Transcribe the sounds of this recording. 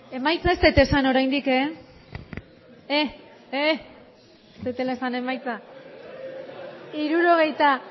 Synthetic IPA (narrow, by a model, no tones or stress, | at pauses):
e̞majt͡saest̪et̪e̞sano̞ɾajnd̪ike | e | e | st̪et̪elesane̞majt͡sa | iɾuɾo̞ɣ̞e̞jt̪a